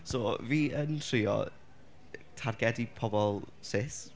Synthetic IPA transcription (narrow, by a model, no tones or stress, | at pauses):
soːviːəntʰrɪːɔ̰ | tʰarɡɛdipʰɔbɔlˠ | sɪs